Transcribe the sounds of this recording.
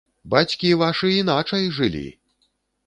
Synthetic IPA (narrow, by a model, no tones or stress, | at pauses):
bat͡sʲkʲivaʂɨin̪at͡ʂɐjʐɨlʲḭ